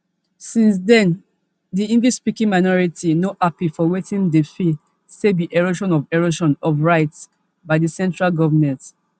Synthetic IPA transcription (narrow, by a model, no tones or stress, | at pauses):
sĩns̬dɛ̃n | diĩŋɡlispikĩŋmaɪnɔɹitʰinoʔapifɔwetĩndefi | sebiʔeɹoʃɔ̃nɔvɛɹoʃɔ̃nɔvɹaɪts | baɪdəsɛ̃ntɹalɡɔvəmɛ̃nt